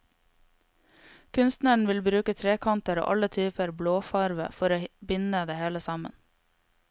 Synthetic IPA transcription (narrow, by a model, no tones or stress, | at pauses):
kʰʉnst̪nəɳ̩ʋɪlbɾʉːkət̪ʰɾeːkʰɑnt̪əɾo̰ːʔɑlət̪ʰyːpəɾbloːfɑɾʋə̰fɔɾoːbɪnəd̪eːheːləsɑmə̰n